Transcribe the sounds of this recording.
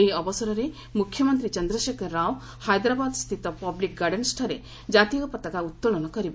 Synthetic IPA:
eɔbɔsɔɾɔɾe | mukʰːjɔmɔnt̪̬ɾit͡ʃɔnd̪ɾɔsekɔɾːaw | hajd̪ɾabad̪st̪ʰit̪ɔpɔblik̚ɡaɖensʈʰɔɾe | d͡ʒat̪ijɔɔpɔt̪akaut̪ːolɔnɔkɔɾiba

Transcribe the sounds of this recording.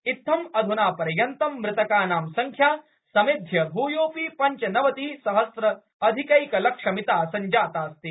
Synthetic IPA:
it̪ʰːɐmɐd̪ʱunaːpɐɾɐjɐnt̪ɐmːɾɪt̪ɐkaːnaːmsɐŋkʰjaː | sɐmid̪ʱjɐbʱuːjoːpipɐɲt͡ʃɐnɐʋɐt̪isɐɦɐsɾɐ | ɐd̪ʱikɐjkɐlɐkʂɐmit̪aːsɐɲd͡ʒaːt̪aːst̪i

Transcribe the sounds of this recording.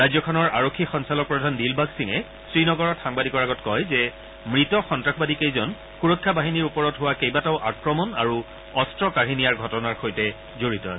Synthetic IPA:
ɹajzɔkʰɔnɔɹaɹokʰːixɔnsalɔk̚pɹɔdʱandilbaksiŋɛ | sɹinɔɡɔɹɔtxaŋbadikɔɹaɡɔtkɔjzɛ | mɹitɔxɔntɹakʰbadikejzɔn | xuɹokʰːabaɦiniɹupɔɹɔtɦʊwakejbataʊʔakɹɔmɔnaɹu | ɔstɹɔkaɹinijaɹɡʱɔtɔnaɹxojtɛ | zoɹitɔɦɔ

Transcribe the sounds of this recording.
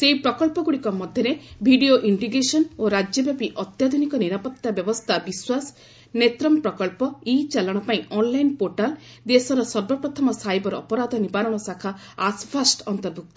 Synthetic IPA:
seipɾɔkɔlpɔɡuɽikɔmɔd̪ʱjɔɾebʱiɖioʔiɳʈiɡɾesɔnoɾad͡ʒjɔbjapiʔɔt̪jad̪ʱunikɔniɾapɔt̪ːabjɔbɔst̪ʰabiswas | net̪ɾɔmpɾɔkɔlpɔit͡ʃalaɽ̃ɔpaĩɔnlajnpoɾʈal | d̪esɔɾɔsɔɾbɔpɾɔt̪ʰɔmɔsajbɔɾɔɔpɔɾad̪ʱɔnibaɾɔɽ̃ɔsakʰa | aspʰasʈɔnt̪ɔɾbuk̚t̪ɔ

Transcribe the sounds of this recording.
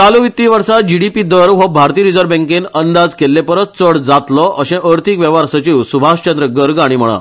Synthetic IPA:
taluʋit̪ːiʋəɾsad͡ʑiɽipid̪əɾɦɔbʱaɾt̪iːɾid͡zəɾbẽŋkenənd̪ad͡zkelːẽpəɾət̪̚t͡səɽd͡zat̪lɔʔəɕɛ̃ʔəɾt̪ʰikʋɛʋaɾsət͡ɕiʋsubʱast͡ɕənd̪ɾəɡəɾɡaɽ̃im̤əɭ̃a̰

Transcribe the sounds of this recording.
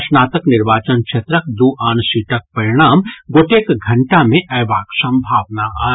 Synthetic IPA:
ʃnaːt̪əknɪɾʋaːt͡ʃənkʃeːt̪ɾək̚d̪uːʔaːnsiːʈək̚pɐɾɪɽ̃aːmɡoːʈeːkɡʱɐ̃ɳʈamẽʔɛːʋaːksɐ̃mbʱaːʋnaa

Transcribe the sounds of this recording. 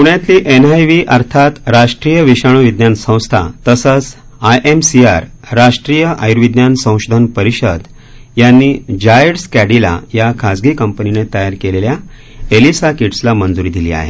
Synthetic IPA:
kuɽjat̪liːʔenajʋiʔəɾt̪ʰat̪ɾaʂʈɾijəʋiɕaɳ̃uʋid̪jansə̃w̃st̪ʰa̰t̪əsət͡s | ajʔemsiaɾ | ɾaʂʈɾijəʔajɾʋid̪jansə̃w̃ɕod̪ʱənpəɾiɕəd̪ | janːiːd͡ʑajɽskæɽila̰jakʰad͡zɡiːkəmpəninet̪əjaɾkelelja | elisakiʈslamənd͡zuɾiːd̪ʱiliːa̰ɦḛ

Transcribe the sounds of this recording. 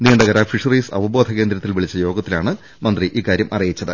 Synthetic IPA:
niːɳɖɐɣɐɾafiʂɐriːsɐ̰ʋɐbo̞ːd̪ʱɐke̞ːnd̪ɾɐt̪ːilʋiɭit͡ɕːɐjo̞ːɡɐt̪ːilaːɳɨ | mɐnd̪riʔiːkːaːɾjɐmʔɐrijit͡ɕːɐðɨ

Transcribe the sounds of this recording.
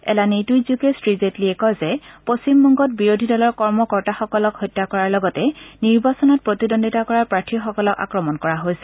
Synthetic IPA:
ɛ̰lanitujzukɛstɹizetliɛkɔzɛpost͡ɕimbɔŋɡɔt̚biɹodʱidɔlɔɹkɔɹmɔkɔɹtaxɔkɔlɔkhɔjtːakɔɹaɹlɔɡɔtɛniɹbasɔnɔt̚pɹotidondʱitakɔɹaɹpɹatʰixɔkɔlɔka̰kɹɔmɔnkɔɹaɦojsɛ̥

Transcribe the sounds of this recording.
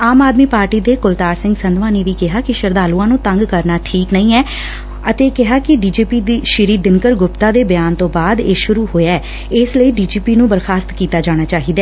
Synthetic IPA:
aːmaːd̪miːpaːɾʈiːd̪eːkʊlt̪aːɾsɪ̃ŋɡsənd̪ʋãːneːʋiːkɪɦaːkɪʃəɾd̪aːluːãːnũːt̪əŋɡkəɾnaːʈʰiːknəĩːɛː | ət̪eːkɪɦaːkɪɖiːd͡ʒiːpiːd̪iːʃɪɾiːd̪ɪnkəɾɡʊpt̪aːd̪eːbjaːnt̪õːbaːd̪eːʃʊɾuːɦoːjaɛː | ɪsləiːɖiːd͡ʒiːpiːnũːbəɾkʰaːst̪kiːt̪aːd͡ʒaːɽ̃aːt͡ʃaːɦiːd̪aɛː

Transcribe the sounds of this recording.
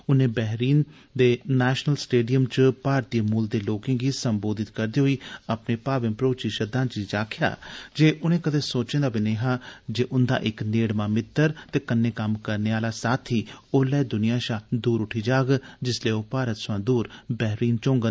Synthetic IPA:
ʊnẽːbɛːɦɾiːn | d̪eːnɛːʃnəlsʈeːɖijəmt͡ʃpaːɾt̪iːəmuːld̪eːloːkẽːɡiːsəmboːd̪ɪt̪kəɾd̪eːɦoiːapneːpaːʋəmpɾoːt͡ʃiːʃəd̪ãːt͡ʃid͡ʒaːkʰɪja̰ːd͡ʒeːʔʊnẽːkəd̪eːsoːt͡ʃẽːd̪aːbɪneːɦaːd͡ʒeːʔʊnd̪a̰ːʔɪkneːɽmãːmɪt̪ːəɾt̪eːkənːeːkəmkəɾneːaːlaːsaːt̪ʰɦiːoːlɛːd̪ʊnɪjaːʃaːd̪uːɾʊʈʰiːd͡ʒaːɡd͡ʒɪsleːoːpaːɾət̪sʋãːd̪uːɾbɛːɦɾiːnt͡ʃõːŋɡə

